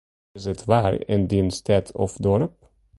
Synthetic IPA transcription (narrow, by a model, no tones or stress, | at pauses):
ɪzɛt̪ʰʋaːɾɪ̰nd̪inst̪ʰɛt̪ʰɔ̰fd̪ɔɾp̚